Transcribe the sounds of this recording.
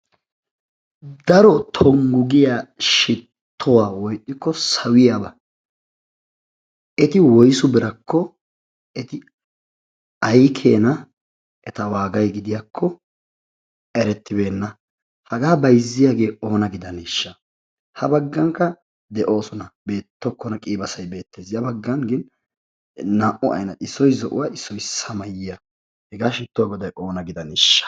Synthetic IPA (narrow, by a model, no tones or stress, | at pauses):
d̪ɐɾɔt̪ʰɔŋɡʊɡɪjaʃɪt̪ʰːɔwaːwɔjɗʼːɪkːɔsɐwɪjabɐ | ɛt̪ɪwɔjsʊbɪɾɐkːɔ | ɛt̪ɪ | ɐjkʰeːnɐ | ɛt̪ɐwaːɡɐjɡɪd̪ɪjakʰːɔ | ɛɾɛt̪ːɪbe̞ːnːɐ | hɐɡaːbɐjzːɪjaːɡe̞ːʔo̞ːnɐɡɪd̪ɐniʃːɐ | hɐbɐɡːɐŋkːɐ | d̪ɛʔo̞ːsɔnɐbe̞ːt̪ːɔkːɔnɐkʼiːbɐsɐjbe̞ːt̪ːe̞ːsjɐbɐɡːɐŋɡɪn | naːʔɔʔɐ̰jnɐɪsːɔjzɔʔʊ̰waːʔɪsːɔjsɐmɐjɪjɐ | hɛɡaːʃɪt̪ːʊwaɡɔd̪ɐjʔo̞ːnɐɡɪd̪ɐniʃːɐ̥